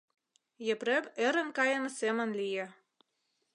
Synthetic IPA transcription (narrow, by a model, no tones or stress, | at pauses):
jĕpɾemĕɾə̆nkɑjɤ̆nɤsemə̆nlijĕ